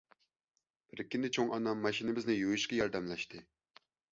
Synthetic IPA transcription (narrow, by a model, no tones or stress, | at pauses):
b̥ɪɾɪkʲʰːinɪt͡ʃʰoŋʔɑnɑmːɑʃinɪbɪznɪjojiʃkɑjɑɾd̪ɛmlɛʃt̪ʰɨ